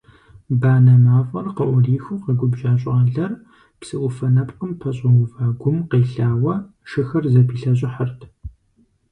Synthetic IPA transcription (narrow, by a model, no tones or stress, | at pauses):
baːnɐmaːfʼɐrqəʔʷʊriːxuqəɡʷʊbʒaːɕʼɪʁɐɮɐr | psɨʔʷʊfɐnɐpqəmpʰɐɕʼɐwʊvaːɡʷʊmqeːɬaːwɐ | ʃɨxɐrzɐpʰiːɬɐɕ̬ʼɪħɐrtʰ